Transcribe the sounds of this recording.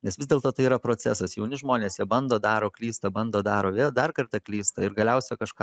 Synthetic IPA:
nʲɛsʋʲɪzdʲeɛlˠt̪oːt̪ɐɪiɾɐpɾoːt͡s̪ʲɛ̰sɐsjɛʊnʲɪʒmoːnʲeːsjɛbɐnd̪oːd̪ɑːɾoːklʲiːst̪ɐbɐnd̪oːd̪ɑːɾoːʋʲeːlˠd̪ɐrkɐɾt̪ɐklʲiːst̪ɐɪɾɡɐlʲɛʊsʲɛkɐʃkɑː

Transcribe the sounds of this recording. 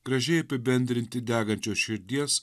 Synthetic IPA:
ɡ̥ɾɐʒʲɛɪɐpʲɪbʲɛnʲd̪ʲɾʲɪnʲt̪ʲɪd̪ʲæːɡɐnʲt͡ʃʲoːsʃʲɪɾʲd̪ʲiɛs

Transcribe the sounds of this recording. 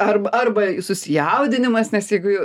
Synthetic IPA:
ɐrbɐʔɐrbɐjʊsʊsʲɪjɛʊd̪ʲɪnʲɪmɐsnʲɛsjɛɪɡʊj

